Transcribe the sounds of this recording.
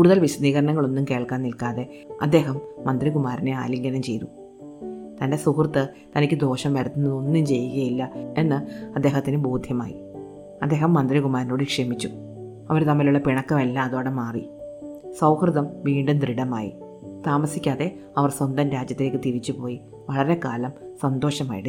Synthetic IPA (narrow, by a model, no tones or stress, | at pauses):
kuːɽuðɐlʋisɐd̪iːɣɐɾɐnɐŋːɐɭo̞nːumke̞ːɭkaːnnilkaːðe̞ | ɐ̰d̪ːe̞ːɦɐmːɐnd̪rikumaːɾine̞a̰ːliŋɡɐnɐmt͡ɕe̞jt̪u | t̪ɐnde̞sukrɨt̪ːɨ | t̪ɐnikʲːɨd̪o̞ːʂɐmʋɐɾut̪ːunːɐðonːumt͡ɕe̞jːuɣɐjilːɐe̞nːɨɐd̪ːe̞ːɦɐt̪ːinɨboːd̪ʱjɐma̰ːjḭ | ɐd̪ːe̞ːɦɐmːɐnd̪rikumaːɾino̞ːɽɨkʂe̞ːmit͡ɕːu | ɐʋɐɾt̪ɐmːiluɭːɐpiɳɐkːɐmelːaːɐðo̞ːɽemaːrḭ | sɐwhrɨðɐmʋiːɳɖɨnt̪riɽɐma̰ːjḭ | t̪aːmɐsikʲːaːðe̞ | ɐʋɐrswond̪ɐnɾaːd͡ʑjɐt̪ːile̞ːkːɨt̪iɾit͡ɕːupo̞ːji | ʋɐɭɐɾe̞kaːlɐmsɐnd̪o̞ːʂɐma̰ːjiɽɨ